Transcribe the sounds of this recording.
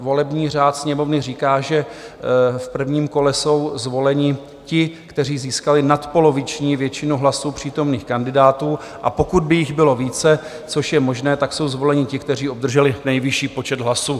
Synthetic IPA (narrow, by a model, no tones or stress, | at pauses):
vo̞lɛbɲiːr̝aːt̪sɲɛmo̞vnɪr̝iːkaːʒɛ | fpr̩vɲiːmko̞lɛso̞wzvo̞lɛɲɪ | cɪkt̪ɛriːziːskalɪnat̪po̞lo̞vɪt͡ʃɲiːvjɛt͡ʃɪnuɦlasuːpr̝̥iːt̪o̞mniːxkandɪdaːt̪uː | ʔapo̞kud̪̚bɪjɪɣbɪlo̞viːt͡sɛ | t͡so̞ʃjɛmoʒnɛːt̪akso̞wzvo̞lɛɲɪcɪkt̪ɛr̝iːʔob̚d̪r̩ʒɛlɪnɛjvɪʃiːpo̞t͡ʃɛd̪ɦlasuː